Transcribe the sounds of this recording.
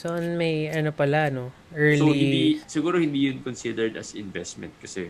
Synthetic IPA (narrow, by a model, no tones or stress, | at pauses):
sɐʔɐnmɐjʔɐnopɐlaɐno̞ | ʔɛɹloiɪnnd̪isɪɡuːɾohɪnd̪iːjʊnkonsid̪ɛɹd̪ɐ̰sɪnvɛst̪mɛ̰nt̪̚kɐsɛ